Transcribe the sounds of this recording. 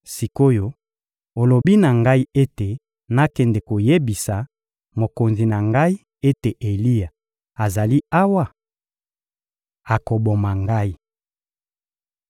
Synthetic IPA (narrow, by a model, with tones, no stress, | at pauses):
si˨ko˦jo˦ | o˨lo˨bi˦na˨ŋɡa˦i˦e˦te˨ | na˦kɛ˨ndɛ˨ko˨je˦bi˨sa˨ | mo˨ko˨nzi˨na˨ŋɡa˦i˦ | e˦te˨ʔe˨li˦ja˨ | a˨za˨li˦a˦wa˦˨ | a˨ko˨bo˨ma˨ŋɡa˦i˦